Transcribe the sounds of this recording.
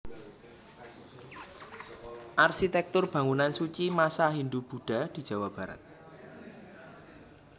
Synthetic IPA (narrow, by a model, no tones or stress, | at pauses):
ʔarsit̪ɛk̚t̪ʊrb̥ä̤ŋunansut͡ʃimasaɦind̪ub̥ṳɖ̥a̤d̪̥i̤̥d͡ʒ̥ä̤wab̥a̤ɾə̰t̪̚